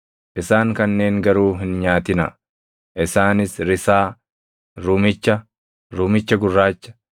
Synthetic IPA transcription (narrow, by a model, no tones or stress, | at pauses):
ʔɪsaːŋkɐnːe̞ːŋɡɐɾuːɦɪnɲaːt̪ɪnɐ̰ | ʔɪsaːnɪsɾɪsaː | ɾuːmɪt͡ʃːɐ | ɾuːmɪt͡ʃːɐɡʊrːaːt͡ʃːɐ̥